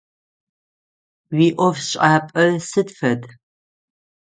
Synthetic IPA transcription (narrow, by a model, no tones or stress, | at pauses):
wiːʔʷɔvsɕʼaːpʼɐsɨdfɐd